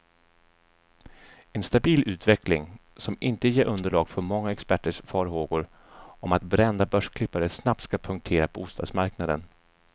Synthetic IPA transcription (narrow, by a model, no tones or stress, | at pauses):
ɛnst̪abiːlʉ̟ːt̪vɛklɪ̰ŋ | sɔmʔɪnt̪əjeːɾʔɵnd̪əɭɑːɡfœɾmɔŋːaɛkspæʈːəʂfɑːɾɦoːɡʊɾ | ʔɔmat̪bɾɛnd̪abœʂkʰlɪpːaɾəsnap̚t̪skapʰɵŋk̚t̪ʰeːɾapʰɔuːst̪ɑːd̪smaɾknad̪ə̰n